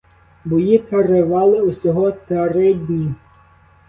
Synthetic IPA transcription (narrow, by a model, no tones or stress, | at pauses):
bɔjik̪ɐreʋɑlˠɪʊsʲɔɦɔt̪ɾɪdʲnʲi